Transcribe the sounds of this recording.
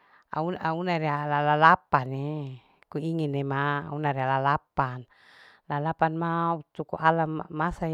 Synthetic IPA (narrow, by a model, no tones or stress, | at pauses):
a̰unaunaɾialalalapane | kuiŋinːema̰unaɾialalapan | lalapanmaut̪ukṵʔalammːasaj